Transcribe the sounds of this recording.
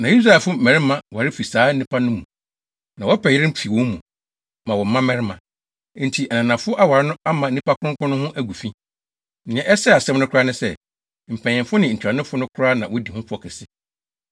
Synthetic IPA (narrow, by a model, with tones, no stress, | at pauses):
nã˨ji˦s̬ɾa˦˨ɛ˨fʊ˦mɛ̃˨ɾɪ˦mã˨wa˨ɾɪ˦fi˨saː˨˦n̩˦nĩ˦pʰa˦nʊ̃˦mũ˨ | nã˨wɔ˦pʰɛ˨jɪ˦ɾɪ̃˦m̩˦pʰi˨wɔ̃˦mũ˨ | mã˨wɔ˨m̩˦mã˦mɛ̃˦ɾɪ˦mã˨˦ | n̩˨tʰi˨ʔa˨nã˨nã˨fʊ˦ʔa˦wa˨ɾɪ˦nʊ̃˦a˦mã˨n̩˦nĩ˦pa˦kʰʊ˦ʊ̃˦kʊ̃˦nʊ̃˦hʊ̃˦ʔæ˦ɡu˨fĩ˦ | nɪ̃˨ɲɛ̃˦ʔɛ˦sɛ˦a˨sɛ̃˦mnʊ̃˦kʰʊ˦ɾa˦nʊ̃˦sɛ˦˨ | m̩˨pʰɛ̃˨ɲɪ̃˨mfʊ˦nɪ̃˨n̩˨t͡ɕʰᶣɾa˨nɪ̃˦fʊ˦nʊ̃˦kʰʊ˦ɾa˦nã˨wɔ˦di˨hʊ̃˦pʰʊ˦ɔ˨kʰɪ˨sɪ˦